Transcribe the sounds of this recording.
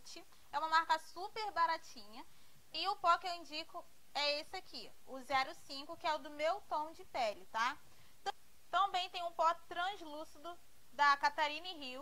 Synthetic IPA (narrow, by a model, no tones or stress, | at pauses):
t͡ʃɪ | ɛũmɐmaɾkɐsupeɾbaɾat͡ʃĩɲɐ | ɪʊpɔkɪewĩnd͡ʒikʊ | ɛesɪaki | ʊzɛɾʊsĩkʊkɪɛʊd̪ʊmewt̪õw̃d͡ʒɪpɛlɪt̪a | t̪ | t̪ɐ̃bẽj̃t̪ẽj̃ʊ̃pɔt̪ɾɐ̃zlusid̪ʊ | d̪ɐkat̪aɾĩniɦi